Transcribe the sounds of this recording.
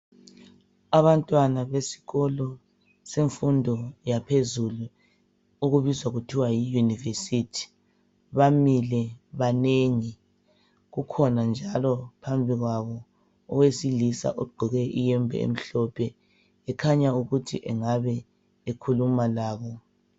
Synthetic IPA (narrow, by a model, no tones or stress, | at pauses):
aβantʼwanaβesi̥ɣɔlɔ | seɱfundʱɔjapʰezulu | uɣuβizwaɣutʰiwajijunivesitʰi̥ | βamilɛβaneŋi | ɣukʰɔnand͡ʒʱalɔpʰambʱiɣwaβɔ | ɔ̰ɣwesilisa̰ʔoɡ͡ǃʱiɣɛʔijɛmbʱɛ̰ḛm̩ɬɔpʰɛ | ɛkʰaɲauɣutʰḭʔɛŋaβɛ | ekʰulumalaːβɔ